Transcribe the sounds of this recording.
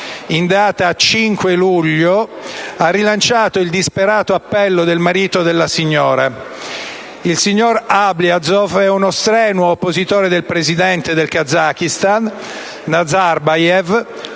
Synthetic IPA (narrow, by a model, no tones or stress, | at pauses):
ind̪aːt̪aːt͡ʃiŋkweluʎːoarːilant͡ʃaːt̪oild̪ispeɾaːt̪oapːɛlːod̪elmaɾiːt̪od̪elːasiɲːoːɾa | ilsiɲːorabliad̪zofɛunost̪ɾɛːnoːpːozit̪oːɾed̪elpɾezid̪ɛnt̪ed̪elkad̪zakist̪anː | ad̪zarbajɛv